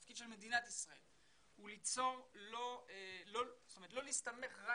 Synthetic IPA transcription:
fkid̪ʃelmed̪inat̪isʁaḛl | ulit͡so̞ʁlolostometlo̞liːst̪ame̞χʁa

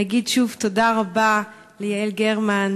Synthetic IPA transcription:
aɡidʃuvtodaʁaba | lejaelɡeʁman

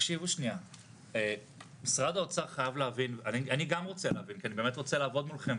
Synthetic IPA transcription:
ʃivuʃnia | e | misʁadaot͡saʁχajavleavinanianiɡamʁot͡seleavinkianibeːmet̪ʁot͡selaːvo̞dmulχem

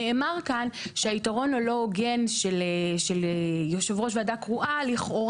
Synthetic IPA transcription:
eʔːmaʁkanʃeaitaʁo̞nolo̞ɡe̞nʃeleʃelejoʃevʁo̞ʃveadakʁuʔaliχo̞ʁ

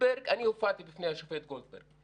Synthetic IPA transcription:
beɾɡaniofat̪ibɪfnejhaʃofet̪̚ɡold̪̚bḛɾɡ̚

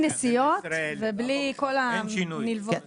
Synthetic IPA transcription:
nesijot̪veblikolanilv

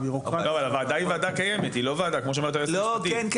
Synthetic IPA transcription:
biuloavalavaːd̪aivaːd̪akajeme̞t̪ilovaːd̪akmoʃemeat̪ajelod̪ienk

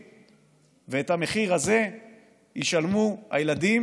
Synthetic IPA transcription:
veethameχiʁaze̞ | jiʃalmuha̰jeladi

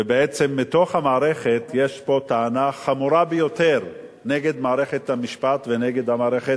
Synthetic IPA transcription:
ebeet͡semːito̞χhamaːʁeχet̪jeʃpo̞t̪aanaχamuɾabejo̞teʁ | neɡed̪maːʁeχet̪hamiʃpatveneɡed̪amaːʁeχe

